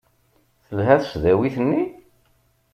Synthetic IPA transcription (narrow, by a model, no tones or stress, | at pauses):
θəlɦæθəʃðæwiθənːi